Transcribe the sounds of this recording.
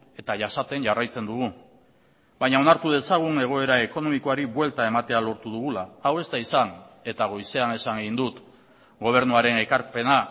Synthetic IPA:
e̞t̪aʝasat̪e̞ɲʝarajt͡se̞nd̪uɣ̞u | baɲao̞naɾt̪uð̞e̞saɣ̞une̞ɣ̞o̞e̞ɾae̞ko̞no̞miko̞aɾiβwe̞lt̪ae̞mat̪e̞alo̞ɾt̪uðuɣulaːwe̞st̪aisane̞t̪aɣ̞o̞jse̞ane̞saŋɡeind̪ut̪ | ɡo̞β̞e̞ɾnuaɾe̞nekaɾpe̞na

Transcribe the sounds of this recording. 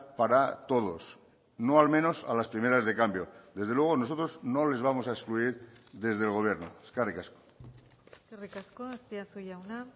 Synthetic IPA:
paɾat̪o̞ð̞o̞s | no̞almẽ̞no̞salaspɾime̞ɾazðe̞kambjo̞d̪e̞zð̞elwe̞ɣ̞o̞noo̞t̪ɾo̞zno̞le̞zβ̞amo̞saeskluiɾðe̞zðelɣ̞o̞βje̞ɾnoskarikasko̥ | skerikaskoast̪iasujawna

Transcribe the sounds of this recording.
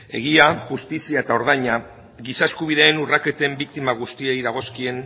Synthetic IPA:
e̞̰ɣ̞iaʝust̪isiae̞t̪ao̞ɾð̞ajɲa | ɣisaeskuβ̞iðe̞ːnurake̞t̪embik̚t̪imaɣ̞ust̪ie̞jðaɣ̞o̞skie̞n

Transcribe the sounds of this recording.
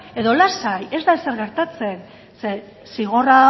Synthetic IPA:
e̞ðo̞lasaje̞zd̪aese̞ɾɣe̞ɾt̪at͡se̞n | se | siɣ̞ora

